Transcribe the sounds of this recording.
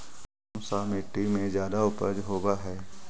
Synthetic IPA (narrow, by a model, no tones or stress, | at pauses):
samɪʈːimẽzjaːd̪aʊpə̰d͡ʒɦoːɡaɦɛː